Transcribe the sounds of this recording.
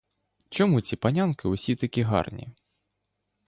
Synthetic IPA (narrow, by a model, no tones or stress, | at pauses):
t͡ʃɔmut͡sʲipanʲankɨwsʲit̪ɨkʲiɦa̰rnʲḭ